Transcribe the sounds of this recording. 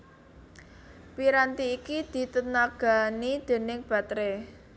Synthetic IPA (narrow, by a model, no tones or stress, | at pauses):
piɾant̪iːkid̪̥i̤t̪ənaɡ̥a̤nid̪̥e̤nɪŋb̥ä̤t̪ɾe